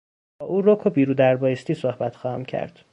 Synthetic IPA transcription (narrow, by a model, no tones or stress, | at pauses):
bɒːʔuːɾokʰobiːɾuːd̪æɾbɒːjest̪iːsohbæt̪xɒːhæ̰mcʰæ̰ɾd̪̥